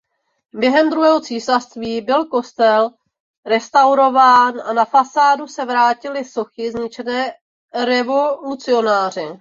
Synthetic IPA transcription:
bjɛɦɛmd̪ɾuɦɛːɦo̞t͡siːsasst̪viːbɪlko̞st̪ɛl | ɾɛst̪awɾo̞vaːnʔanafasaːdusɛvɾaːcɪlɪso̞xɪzɲɪt͡ʃɛnɛː | ɾɛvolut͡sɪo̞naːr̝ɪ

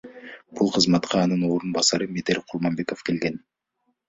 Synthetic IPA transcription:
b̥ulˠqʰəzmɑt̪qʰɑːnɯnoːɾunbɑsɑɾɯmet̪eɾʲqʰuɾmɑmbe̞ko̞fkʲʰe̞lɡe̞n

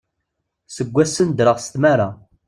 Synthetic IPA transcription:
səɡʷːæsːənd̪ɾəʁst̪maɾa

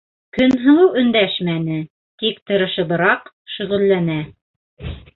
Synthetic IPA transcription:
kɵnɦɤ̆w̪ˠɤwɵ̆nd̪æʃmænɘ | t̪ikt̪ɤ̆ɾɤ̆ʃɤ̆bɤ̆ɾɑq | ʃɵ̆ʁɵ̆lːænæ

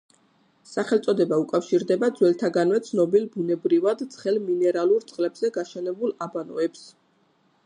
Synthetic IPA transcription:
saχɛlˠt̪sʼɔd̪ɛbaukʼafʃiɾd̪ɛbad̪zwɛlt̪ʰaɡanvɛt̪sʰnɔbilbunɛbɾivad̪t̪sʰχɛlminɛɾalˠuɾt̪sʼqʼlɛbz̥ɛɡaʃɛnɛbulˠabanɔ̰ɛps

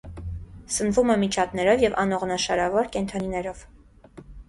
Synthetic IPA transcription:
sənvumɛmit͡ʃʰɑt̪nɛɾɔvjɛvɑnɔʁnɑʃɑɾɑvɔɾkɛnt̪ʰɑninɛɾɔv

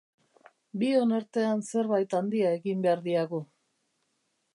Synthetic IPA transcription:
bio̞naɾt̪e̞anse̞ɾβajt̪and̪iae̞ɣimbe̞aɾðiaɣu

